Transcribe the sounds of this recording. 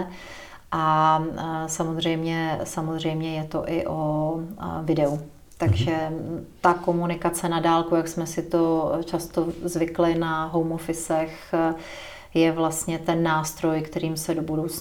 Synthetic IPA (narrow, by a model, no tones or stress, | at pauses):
ʔa | samozr̝ɛjmɲɛsamozr̝ɛjmɲɛjɛt̪o̞ʔɪʔo | vɪdɛu | t̪aɡʒɛt̪ako̞munɪkat͡sɛnadaːlkujaksmɛsɪt̪o̞t͡ʃast̪ozvɪklɪnaɦo̞wmofɪsɛx | jɛvlast̪ɲɛt̪ɛnːaːst̪ɾo̞jkt̪ɛɾiːmsɛdobudowt͡s